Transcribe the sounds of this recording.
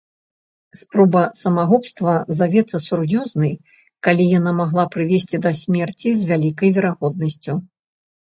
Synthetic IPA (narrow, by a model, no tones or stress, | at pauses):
spɾɔbɐsɐmaɣɔpst̪vɐzavʲɛt̪sːɐsurjɔznɨj | kalʲijanamaɣlˠapɾɨvʲesʲt͡sʲid̪ɐsʲmʲɛrt͡sʲizʲvʲalʲikɐjvʲɛɾaɣɔd̪̚nɐsʲt͡sʲu